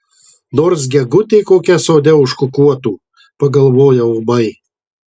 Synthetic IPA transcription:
noːɾsɡʲɛɡʊt̪ʲɛɪkoːkʲɛsoːd̪ʲɛʊʃkʊkuɔt̪uː | pɐɡɐlˠʋoːjɛʊbɐɪ

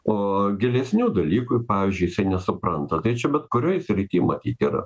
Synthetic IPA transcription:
oːɡʲɪlʲɛsʲnʲuːd̪ɐlʲiːkʊpɑːʋʲiːzʲd͡ʒʲʊjɪsɐɪnʲɛsʊpɾɐnt̪ɐt̪ɐɪt͡ʃʲɛbʲɛt̪kʊɾʲoːjsʲɾʲɪt̪ʲiːmɐt̪ʲiːt̪ʲiːɾɐ̰

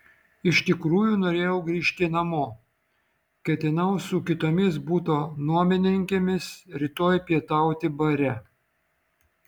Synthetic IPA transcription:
ɪʃʲt̪ʲɪkɾuːjunoːɾʲeːjɛʊɡɾʲiːʃʲt̪ʲɪnɐmoː | kʲɛt̪ʲɪnɐʊsʊkʲɪt̪oːmʲɪsbuːt̪oːnuɔmʲɪnʲɪŋʲkʲemʲɪsɾʲɪt̪oːjpʲiɛt̪ɐˑʊt̪ʲɪbɐɾʲɛ

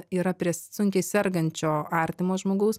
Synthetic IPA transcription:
iːɾɐpʲɾʲiɛsʊŋʲkʲɛɪsʲɛrɡɐnʲt͡ʃʲoːɐɾʲt̪ʲɪmoːʒmoːɡɐʊs

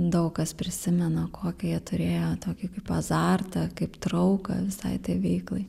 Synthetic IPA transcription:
d̪ɐʊkkɐspʲɾʲɪsʲɪmʲɛnokʰoːkʲɛjiɛt̪ʊɾʲeːjoːt̪oːkʲɪkɐɪpɐzɑːrt̪ɐkɐɪpt̪ɾɐʊkɐ̰ʋʲɪsɐ̰ɪt̪ʲɐːʋʲɛɪklˠɐɪ

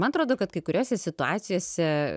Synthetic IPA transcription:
mɐnɐt̪ɾoːd̪oːkɐt̪kɐɪkʊɾʲoːsʲɛsʲɪt̪ʊa̰ːt̪sʲɪjoːsʲɛ

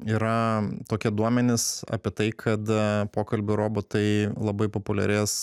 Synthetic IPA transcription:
iːɾɐt̪oːkʲɛd̪uɔmʲɛnʲɪsɐ̰pʲiɛt̪ɐɪkʰɐt̪poːkɐlʲbʲʊɾoːbot̪ɐɪlˠɐbɐɪpopʊlʲɛ̰ɾʲɛs

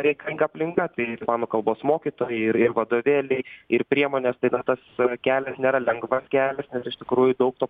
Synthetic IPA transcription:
ɾʲɛɪkɐlʲɪŋɡɐɐpʲlʲɪŋkɐt̪ɐɪmɑːnoːkɐlˠboːsmoːkʲit̪oːjɛɪɪɾɪrʋɐd̪oːʋʲeːlʲɛɪɪrpʲɾʲiɛmoːnʲɛːst̪ɐɪnɐt̪ɐskʲæːlʲɛsnʲeːɾɐlʲɛŋɡʋɐskʲæːlʲɛsnʲɛsɪʃt̪ʲɪkɾuːjʊd̪ɐʊk̚t̪oː

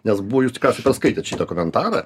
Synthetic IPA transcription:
nʲɛsbuʋɔjuːst̪ʲɪ̥kɾɑːsʲɐɪpɛɾskɐɪt̪ʲet̪ʃʲiːd̪ɐkʊmʲɛnt̪ɑːɾɐ̰

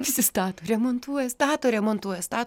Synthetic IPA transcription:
pʲɪsʲɪst̪ɑːt̪oːɾʲɛmoːnt̪uɔjɛst̪ɑːt̪oːɾʲɛmoːnt̪uɔjɛst̪ɑːt

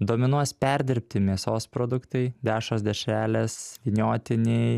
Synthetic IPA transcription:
d̪oːmʲɪnuɔspʲɛɾʲd̪ʲɪɾʲpʲt̪ʲɪmʲiɛsoːspɾoːd̪ʊkt̪ɐɪd̪ʲæːʃoːsd̪ʲɛʃʲæːlʲeːsʋʲinʲoːt̪ʲɪnʲɛɪ

